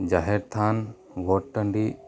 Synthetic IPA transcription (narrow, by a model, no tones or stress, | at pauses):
d͡ʒaɦɛɾt̪ʰan | ʋɔʈʈəɳɖi